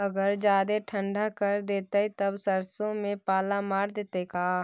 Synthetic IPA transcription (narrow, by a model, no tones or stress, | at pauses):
ɐɡəɾd͡ʒaːd̪eʈʰə̃ɳɖakəɾd̪eːt̪ait̪ɐbsəɾsõmẽpaːlamaːɾd̪eːt̪ekaː